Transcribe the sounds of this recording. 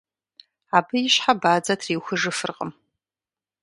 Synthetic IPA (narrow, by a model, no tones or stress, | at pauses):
abɨjɪʃħabaːd͡zatʰriːwxʷʊʐɨfɨrqʼə̰m